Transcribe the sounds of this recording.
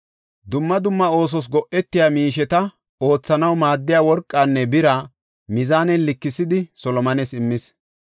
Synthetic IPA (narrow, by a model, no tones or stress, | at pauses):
d̪ʊmːɐd̪ʊmːɐo̞ːs̬ɔs̬ɡɔʔɛt̪ːɪjaːmiːʃ̬ɛt̪ɐ | o̞ːt͡sːɐnɐwmaːd̪ːɪjaːwɔɾkʼːaːnːɛbɪɾɐ | mɪzaːnɛlɪkːɪsɪd̪ɪsɔlɔmɐnɛsɪmːɪs